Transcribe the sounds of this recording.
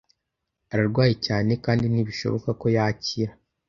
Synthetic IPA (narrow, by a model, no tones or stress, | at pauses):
aɾaɾɡwaːjicaːne̞kaːndiniβiʃo̞̰βokako̞jaciɾa